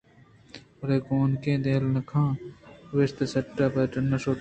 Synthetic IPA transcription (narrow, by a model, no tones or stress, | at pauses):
ɾeːkoːnkẽːd̪eːlnɐkʰãːʋest̪ɐsɐʈːaːpɐʈɐnːɐsoː